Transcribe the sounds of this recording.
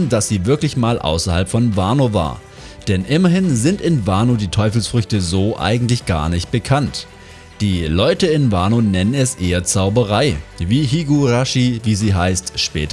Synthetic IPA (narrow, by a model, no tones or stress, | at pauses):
nd̥asz̥iːvɪɐklɪçmaːlʔa̰ʊsɐha̰lpfɔnvaːnoːva̰ːɐ | d̥ɛnʔɪmɐɦɪnzɪntɪnvaːnoːdiːtʰɔʏfl̩sfʁʏçtəzoːʔa̰ɪɡŋ̩tlɪçɡ̥a̰ːɐnɪçt̚b̥əkʰant | d̥iːlɔʏtəɪnvaːnoːnɛnənɛsʔeːɐt͡saʊbɐʁaɪviːɦiɡuʁaʃiviːziːɦaɪstʃpɛ̰ːt